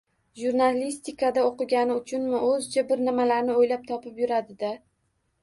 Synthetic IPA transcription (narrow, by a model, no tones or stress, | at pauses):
ʒuɾnalist̪ɪkad̪aoqɨɡʲanɪʊt͡ʃʰʊnmɪʔɵzt͡ʃʰabɪɾnɪmalaɾnɪojlap̚t̪ʰɒpɪpjʊɾad̪ɪd̪a